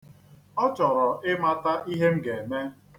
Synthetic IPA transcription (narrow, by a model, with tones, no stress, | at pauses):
ɔ˦t͡ʃɔ˨ɾɔ˨ʔɪ˦ma˦ta˦ʔi˦ɦe˦m̩˦ɡe˨me˦